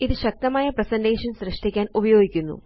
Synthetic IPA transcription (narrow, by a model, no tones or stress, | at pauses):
iðɨɕɐk̚t̪ɐmaːjɐprɐsɐndeːʂɐnsrɨʂʈikʲːaːnubɐjo̞ːɡikʲːunːṵ